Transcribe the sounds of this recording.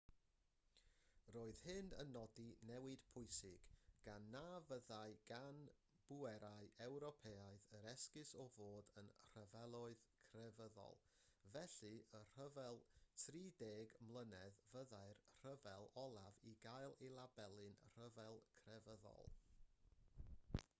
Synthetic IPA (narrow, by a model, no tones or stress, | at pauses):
roːɨð̥hɪndə̰nːɔdinɛwɨd̥pʰʊɨsɪɡ̥ɡ̥anːaːvəðajɡ̥an | b̥uɛɾaɨʔɛwɾɔpʰeːaɨðəɾɛskɪsɔvoːdənr̥əvɛlˠʊɨðkʰrɛvəðɔ̰lˠ | vɛɬɨər̥əvɛlˠtʰriːdeːɡmlˠənɛðvəðaɨrr̥əvɛlˠɔlˠaviɡajlˠelˠabɛlˠɨnr̥əvɛlˠkʰrɛvəðɔ̰lˠ